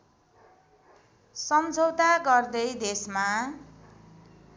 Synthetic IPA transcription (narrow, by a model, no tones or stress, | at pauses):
sʌmd͡zʱʌwt̪aɡʌrd̪ʌjd̪esma